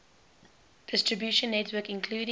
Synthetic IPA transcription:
d̥ɪstɹəbjuˑʃə̃nːɛtʰwəkɪ̃nkʰluːɾɪ̃

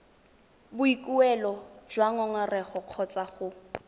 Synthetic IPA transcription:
bʊikʼuɛlɔd͡ʒwaŋɔŋarɛχɔq͡χʰɔt͡sʼaχʊ

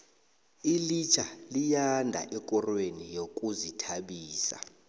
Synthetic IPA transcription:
ilit͡ʃʰʼalijandʱa̰ʔɛkʼɔrwenijokʼuzitʰaɓiːsa̰

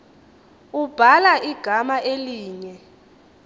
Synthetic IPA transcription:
ub̥ʱalaʔiɡ̥ʱamaʔeliːɲɛ

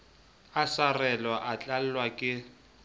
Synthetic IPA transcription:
asarɛlwaʔat͡ɬʼal̩wakʼɪ

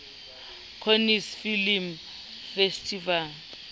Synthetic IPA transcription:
kʰonisfilim | festʰʼival

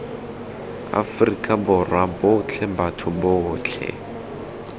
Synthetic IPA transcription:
a̰frikʼabʊrwabʊt͡ɬʰɛbatʰʊbʊːt͡ɬʰɛ̰

